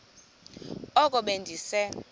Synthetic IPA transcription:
ɔkʼɔɓendʱisɛ

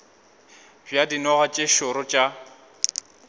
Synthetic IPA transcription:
bjadinɔɣat͡ʃʼeʃʊɾɔt͡ʃʼa

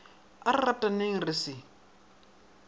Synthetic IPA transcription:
aratʼaneŋ̩rɪsɪ

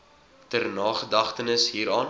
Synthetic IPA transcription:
tərnɑːχədɐχtənəsɦiːɾɑːn

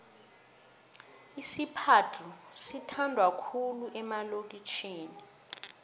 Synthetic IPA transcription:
isipʰatʰusitʰandʱwakʰuluʔɛmalok̬ʼit͡ʃʰeːni

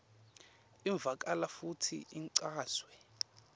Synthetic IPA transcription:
iɱb̪vʱak̬ʼalafutʰḭiŋǀaːswɛ

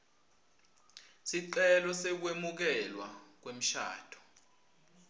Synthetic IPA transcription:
siǀɛlɔsek̬wemuk̬ɛlwak̬wem̩ʃa̰ːd̥ʰɔ̥

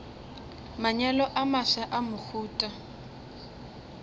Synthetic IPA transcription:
maɲɛlɔʔamasaʔamʊk͡xʰuːtʼa

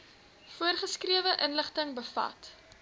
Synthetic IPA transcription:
fuərχəskriəvəʔənləχtəŋbəfɐ̰t

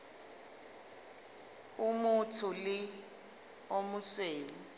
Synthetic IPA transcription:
umutʰulɪ | omusweːmi

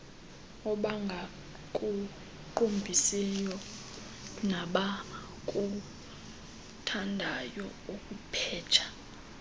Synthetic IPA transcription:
ɔɓaŋɡʱa | kʼu | ǃombʱisɛjɔ | naɓa | kʼu | tʰandʱajɔukʼupʰɛːt͡ʃʰḁ

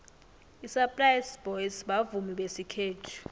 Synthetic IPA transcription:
isapʼlajsb̥ɔjsɓavumiɓesikʰeːtʰu̥

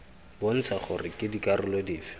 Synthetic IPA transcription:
bon̩t͡sʰaχʊrɪkʼɪdikʼarʊlediːfɪ̥

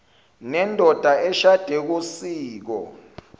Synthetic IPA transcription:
nɛndʱɔd̥ʱaʔɛʃad̥ʱek̬usiːk̬ɔ̰

